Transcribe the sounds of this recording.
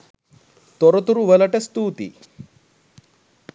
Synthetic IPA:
t̪ɔɾɔt̪uɾuʋelɐʈest̪uːt̪ḭ

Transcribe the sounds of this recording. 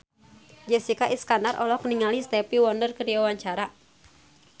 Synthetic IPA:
d͡ʒɛsikaʔiskandarʔɔ̰lɔkniŋalist̪ɛpiwɔndərkədiawaɲt͡ʃaɾa

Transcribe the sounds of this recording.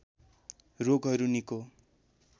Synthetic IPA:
roɡɦʌɾuniko

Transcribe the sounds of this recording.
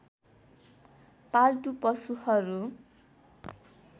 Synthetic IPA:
palʈupʌsuhʌɾu

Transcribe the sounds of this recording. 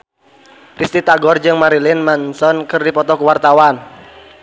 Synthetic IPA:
ɾist̪it̪aɡɔrd͡ʒɨŋmaɾilɪnmansɔnkɨrdipɔt̪ɔkuwart̪awan

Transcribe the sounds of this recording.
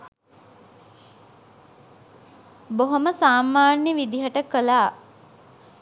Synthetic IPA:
boɦoməsaːmaːnjəʋid̪iɦəʈəkəlaː

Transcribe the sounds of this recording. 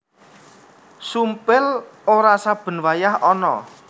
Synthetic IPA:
sumpɪloɾasab̥ə̤nwajahɔnɔ̰

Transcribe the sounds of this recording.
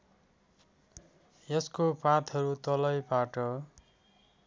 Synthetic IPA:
jʌskopãt̪ʰʌɾut̪ʌlʌjbaʈʌ

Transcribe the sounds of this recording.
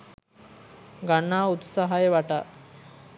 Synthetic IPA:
ɡanːaːut̪saɦajəʋaʈaː

